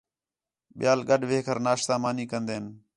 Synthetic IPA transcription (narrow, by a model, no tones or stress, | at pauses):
ɓɪjaːlɠəɗʋeːkʰəɾnaːʃsãːmaːniːkənd̪eːən